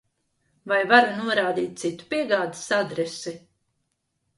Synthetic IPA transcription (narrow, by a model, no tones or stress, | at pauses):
vajvaɾunuɔɾaːd̪iːt̪̚t̪sit̪u̥piɛɡaːd̪i̥sad̪ɾɛsi